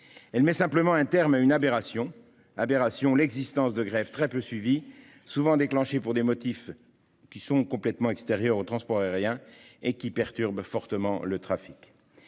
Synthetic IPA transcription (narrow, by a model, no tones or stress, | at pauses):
ɛlmɛsɛ̃pləmɑ̃ɛ̃t̪ɛʁmaynabeʁasjɔ̃ | abeʁasjɔ̃lɛɡzist̪ɑ̃sd̪əɡʁɛvt̪χɛpøsɥivi | suvɑ̃d̪eklɑ̃ʃepuʁd̪emɔt̪if | kʲisɔ̃kɔ̃plɛt̪mɑ̃ɛkst̪eʁjœʁot̪χɑ̃spɔʁɛʁjɛ̃ekʲipɛʁt̪yʁbfɔʁt̪əmɑ̃lət̪χafik